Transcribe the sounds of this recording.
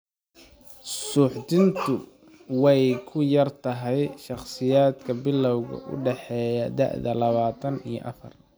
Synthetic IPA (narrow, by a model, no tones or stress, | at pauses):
suːħd̪ɪnt̪ʰʊ | wɛjkʰʊjɐrt̪ʰɐɦɛjʃɑχsɪjaːd̪kʰɐbɪlːɔwɣɐ̰ʔʊ̰ɖɛħɛːjɐd̪ɐ̰ʔðɐlɐβaːt̪ʰɐnḭjɞ̰ʔɐ̰fɐ̰r